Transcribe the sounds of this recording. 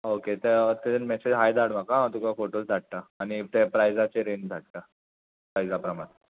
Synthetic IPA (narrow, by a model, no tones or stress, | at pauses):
oket̪et̪ed͡zenmɛsed͡zɦajd̪aɽm̤akaãt̪ukafoʈosd͡z̪ʱaʈʈ̪aːñit̪epɾajd͡zat͡seɾend͡zʱaʈʈ̪a | pɾajd͡zapɾəmaɾ